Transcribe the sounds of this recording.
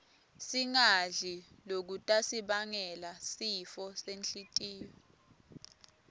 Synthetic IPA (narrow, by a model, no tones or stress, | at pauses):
siŋaɮi | lok̬utʼasiɓaŋɛlasifɔsenɬitʼiːwɔ